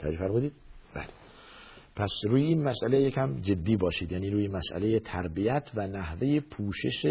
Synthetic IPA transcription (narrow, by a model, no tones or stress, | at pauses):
t̪ʰææd͡ʒefæɾmuːd̪iːd̪̥̚bæ̰ːle | pʰæsɾuːjeiːnmæsʔælejecʰæmd͡ʒe̞d̪ːiːbɒːʃiːd̪jæːniːɾuːjemæsʔæ̰le̞jet̪ʰæɾbijæt̪ʰvænæhve̞jepʰuːʃe̞ʃe